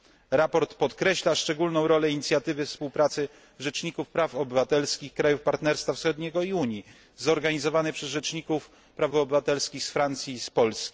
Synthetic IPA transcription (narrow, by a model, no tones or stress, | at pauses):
ɾapɔɾt̪pɔt̪kɾɛɕlaʂt͡ʂɛɡulnɔ̃w̃ɾɔlɛiɲit̪sʲjat̪ɘvɘfspuwpɾat̪sɘ | ʐɛt͡ʂɲikufpɾafɔbɘvat̪ɛlskʲixkɾajufpaɾt̪nɛɾst̪fafsxɔd̪ɲɛɡɔiuɲi | zɔɾɡaɲizɔvanɘpʂɛzʐɛt͡ʂɲikuf | pɾavɔːbɘvat̪ɛlskʲixsfɾant̪sʲjiːspɔlskʲi̥